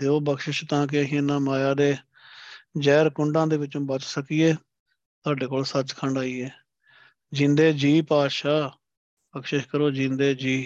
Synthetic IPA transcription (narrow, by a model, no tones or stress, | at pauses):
d̪eːoːbəkʃɪʃt̪ãːk̬ɪəɦĩːɪnːãːmaːjaːd̪eː | d͡ʒɛːɾkʊɳɖãːd̪eːʋɪt͡ʃõːbət͡ʃsəkiːɛː | t̪oaːɖeːkoːlsət͡ʃkʰəɳɖaːiːɛː | d͡ʒɪ̃nd̪eːd͡ʒiːpaːd̪ʃaː | bəkʃɪʃkəɾoːd͡ʒĩnd̪eːd͡ʒiː